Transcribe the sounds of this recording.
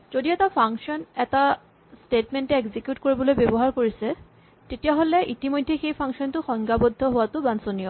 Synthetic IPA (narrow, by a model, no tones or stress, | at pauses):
z̥odioɛtapʰaŋksɔnɛta | stetmɛntɛeɡzikjutkoɹibɔlojbebɔɦaɹkoɹisɛ | tetijaɦolɛʔitimojdʱːɛxejpʰaŋksɔntʊxɔŋɡabɔdʱːɔɦʊwatʊbansonijɔ